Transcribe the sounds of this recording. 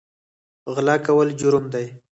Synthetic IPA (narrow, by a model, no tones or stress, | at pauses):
ɣlɑkawəld͡ʒʊɾʊmd̪aj